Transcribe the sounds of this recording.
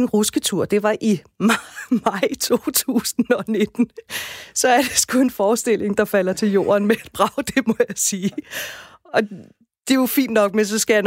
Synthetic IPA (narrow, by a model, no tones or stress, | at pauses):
nʁusɡ̥ət͡sʰuɐ̰d̥e̝ʋɑ̈ʔimmɑ̈ɪ̰t͡sʰo̝̰ːt͡sʰṵːsn̩ɒ̽ne̝d̥n̩sɒ̽æɐd̥eesɡ̥ue̝nfɒːsd̥e̝lʔe̝ŋd̥ɑ̈fæl̰ɐt͡sʰe̝ljo̝̰ːɐnmeæd̥̚b̥ʁɑ̈ʊd̥e̝mɒ̽jɑsiː | ɒ̽ | d̥e̝jofḭːnd̥nɒ̽ɡ̥̚mensɒ̽sɡ̥æjæn